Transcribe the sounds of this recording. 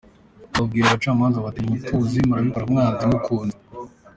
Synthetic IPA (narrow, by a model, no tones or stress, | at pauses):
βab̚ɡiːɾaβat͡ʃaːmaːnzaβateɲituzimuɾaβikoɾamŋaːzimukʰuːnza